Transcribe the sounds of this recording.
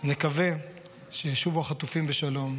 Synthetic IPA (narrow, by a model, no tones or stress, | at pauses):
nekave̞ | ʃeʃuvaχat̪ufimbeʃalo̞m